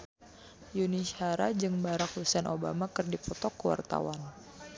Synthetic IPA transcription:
junishaɾad͡ʒɨŋbaɾakhusɛnʔoba̰makɨrdipɔt̪ɔkːəwa̰rt̪a̰wan

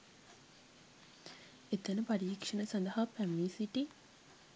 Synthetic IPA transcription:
et̪ənəpaɾiːkʂənəsɐnd̪əɦapæmːiːsiʈi

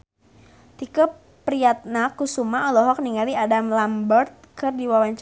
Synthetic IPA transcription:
t̪ikəp | pɾiat̪̚nakusumaɔlɔɦɔk̚niŋaliadamlambərt̪̚kɨrdiwawaɲt͡ʃ

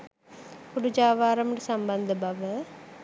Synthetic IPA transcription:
kuɽud͡ʒaːʋaːɾɐmɖusɐmbɐnd̪ʱəbɐʋə

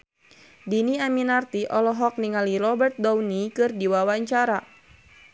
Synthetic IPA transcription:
diniaminart̪iʔɔlɔɦɔk̚niŋalirɔbɛrt̪̚dɔwnikɨrdiwawaɲt͡ʃaɾa

